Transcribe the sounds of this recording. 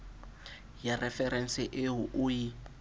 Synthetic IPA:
jarɛfɛrɛn̩sɪʔɪɦʊʔʊji

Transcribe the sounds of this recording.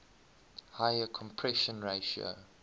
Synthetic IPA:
haɪəkʰɔ̃mpʰɹɛʃə̃nɹeɪʃiə̰o̰

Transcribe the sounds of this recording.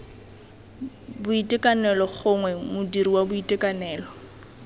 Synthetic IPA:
bʊitʼɪkʼanɛlɔχʊŋwɛmʊdiriwabʊitʼɪkʼanɛːlɔ

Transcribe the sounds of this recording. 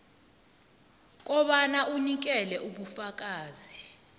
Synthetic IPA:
k̬ʼɔɓanaʔunik̬ɛlɛʔuɓufak̬ʼaːzi

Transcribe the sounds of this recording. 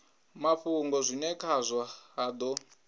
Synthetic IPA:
maɸuŋɡɔzʷinɛkʰazʷaad̪ɔ

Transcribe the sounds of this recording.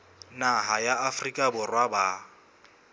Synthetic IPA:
naɦajaafrikʼabʊrwaba

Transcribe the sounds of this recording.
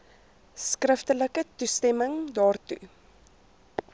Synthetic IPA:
skrəftələkətustɛməŋdɑːrtṵ

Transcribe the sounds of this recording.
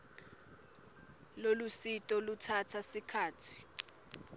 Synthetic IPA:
lolusitʼɔlutʰatʰasikʰaːtʰi̥

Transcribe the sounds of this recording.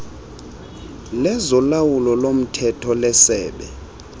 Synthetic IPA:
lɛzɔlawulɔlom̩tʰɛtʰɔlɛsɛːɓɛ

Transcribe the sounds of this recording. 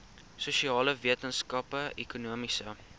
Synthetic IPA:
suʃiɑːləviətənskɐpəɛkunuəmisə

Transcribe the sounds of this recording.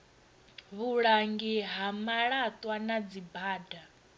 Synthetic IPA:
βuɺaŋɡiɦamaɺat̪ʼwanad͡zibaːda

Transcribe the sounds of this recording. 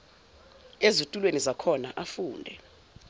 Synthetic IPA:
ezutʼulwenizakʰɔnaʔafuːndʱɛ̰

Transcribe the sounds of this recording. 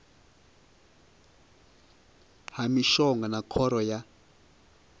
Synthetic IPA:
hamiʃɔŋɡanakʰɔɾɔja

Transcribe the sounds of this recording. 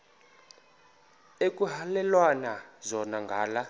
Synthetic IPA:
ekʼuɦalɛlwanazɔnaŋɡʱaːla

